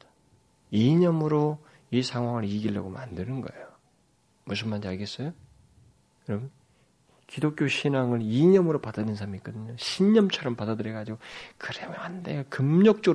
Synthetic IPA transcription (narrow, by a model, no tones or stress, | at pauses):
iɲʌmɯɾo | isʰaŋɦwaŋɯɾiɡiɭːʌ̰ɡoma̰ndɯnɯnɡʌejo | mus̬ʰɯnmand͡ʑaɭɡe̞s͈ʌjo | jʌɾʌm | kidok͈joɕʰinaŋɯɭiɲʌmɯɾopadadɯnsʰamik͈ʌdɯɲoɕʰiɲʌmt͡ɕʰʌɾʌmpadadɯɾjeɡad͡ʑiɡokɯɾemjhandekɯmɲʌk̚t͡ɕ͈o